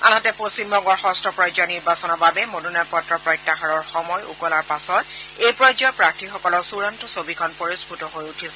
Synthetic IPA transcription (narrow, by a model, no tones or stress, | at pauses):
a̰natɛpost͡ʃimbɔŋɡɔɹxɔstɹɔpɹɔjd͡ʒɔniɹbasɔnɔbabɛmodunaɹpɔtɹɔpɹɔjtːaxɔɹɔɹxɔmɔjṵkɔlaɹpasɔtejpɹɔjd͡ʒɔpɹak̚tʰixɔkɔlɔɹsuɹantɔsobikʰɔnpoɹisputɔɦojutʰisɛ